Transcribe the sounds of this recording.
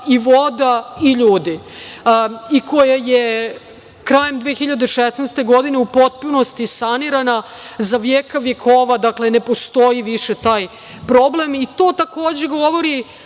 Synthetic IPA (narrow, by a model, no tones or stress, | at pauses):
iʋo̞d̪aiʎuːd̪i | iko̞jaje | kɾajemd̪ʋeːxiʎad̪eʃesnɛst̪e̞ɡo̞d̪ine̞upo̞t̪̚puno̞st̪isaniɾana | zaʋjeːkaʋje̞kʰo̞ːʋad̪akle̞ne̞po̞st̪o̞jiʋiʃet̪aːj | pɾo̞ble̞mit̪o̞ːt̪ako̞ːd͡ʑe̞ɡo̞ʋo̞ɾi